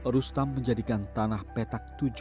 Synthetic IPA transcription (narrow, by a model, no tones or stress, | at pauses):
ɾust̪amːəɲd͡ʒadikant̪anahpet̪ak̚t̪ud͡ʒ